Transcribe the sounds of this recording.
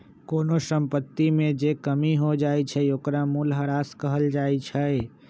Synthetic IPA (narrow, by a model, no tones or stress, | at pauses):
koːnosəmpət̪ːimẽd͡ʒekəmiɦod͡ʒaːit͡ʃʰəoːkɾamulɦəɾaːskəɦəld͡ʒaːet͡ʃʰəe